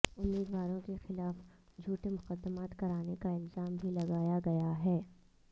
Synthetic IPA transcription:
ʊmːiːd̪ʋaːɾõkexɪlaːf | d͡ʒʱuːʈemʊqəd̪ːəmaːt̪kɐɾaːnekaɪlzaːmbʱilɐɡaːjaɡɐjaɦɛː

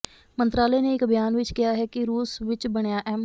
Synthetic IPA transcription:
mə̃nt̪ɾaːləneɪkbʱijaːnʋɪt͡ʃkijaɦɛkiɾuːsʋɪt͡ʃbəɽ̃ejaʔɛm

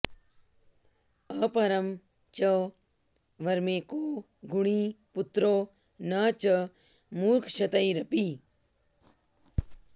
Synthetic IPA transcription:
ɐpɐɾɐm | t͡ʃɐ | ʋɐɾmeːkoː | ɡʱuɳ̃iː | put̪ɾoː | naːt͡ʃɐ | muɾkʰʃɐt̪ɐiɾɐpi

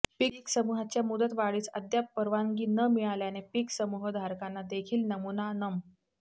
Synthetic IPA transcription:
pikiksəmuɦat͡ɕjamud̪ət̪ʋaɭiːt͡səd̪japːəɾʋaŋɡiːnəmiɭaljanepiksəmuɦəd̪ʱaɾkanːad̪ekʰiːlnəmunanəm

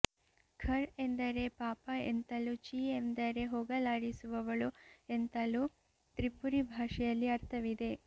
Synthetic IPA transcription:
kʰɐɾend̪ɐɾeːpaːpɐḛnt̪ɐlut͡ʃiːend̪ɐɾeːɦɔɡɐlaːɽisuʋɐʋɐɭuent̪ɐlu | t̪ɾipːuɾibʱaːʂɐjɐlːiɐɾt̪ʰɐʋid̪eː

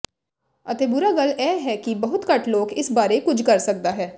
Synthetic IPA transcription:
ət̪eːbʊɾaːɡəlɛːɦɛːkɪbəɦʊt̪kəʈloːkɪsbaːɾeːkʊd͡ʒʱkəɾsək̚d̪aːɦɛː

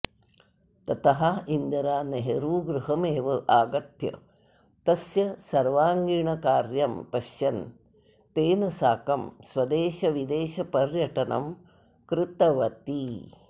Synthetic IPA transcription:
t̪ɐt̪ɐɦɐind̪ɐɾaːneɦeɾuːɡɾuɦɐmeːʋɐʔaːɡɐt̪jɐ̰ | t̪ɐsjɐsɐɾʋaːŋɡiːɳɐkaːɾjɐmpɐʃjɐn | t̪eːnɐsaːkɐmsʋɐd̪eːʃɐʋid̪eːʃɐpɐɾjɐʈɐnɐ̰m | kɾɪt̪ɐʋɐt̪i

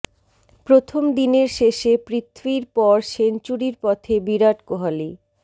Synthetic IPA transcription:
pɾot̪ʰomd̪ineɾʃeʃepɾit̪ʰʋiɾpɔɾʃent͡ɕuɽiɾpɔt̪ʰebiɾaʈkoɦali

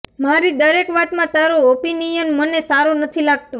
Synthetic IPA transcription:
maɾid̪əɾekʋat̪mãt̪aɾoopinijənmənesaɾonət̪ʰilaɡ̚t̪õ

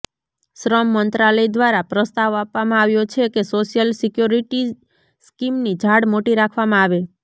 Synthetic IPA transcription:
ʃɾəmːənt̪ɾaləjd̪ʋaɾapɾəst̪aʋapːamãaʋjot͡ʃʰekesoʃijəlsɪkjuɾiʈi | skimnid͡ʒʱaɽmoʈiɾakʰʋamãaʋe

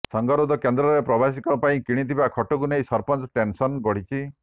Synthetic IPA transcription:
sɔŋɡɔɾud̪ɔkend̪ɾɔɾepɾɔbʱasikɔpaĩkiɽ̃it̪ʰibakʰɔʈɔkunejsɔɾpɔnt͡ʃɔʈensɔnɡɔɽ̤it͡ʃʰi

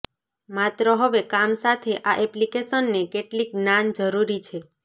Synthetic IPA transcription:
mat̪ɾəɦəʋekamsat̪ʰeʔaʔɛplikeʃənːekeʈlik̚nand͡ʒəɾuɾit͡ʃʰe

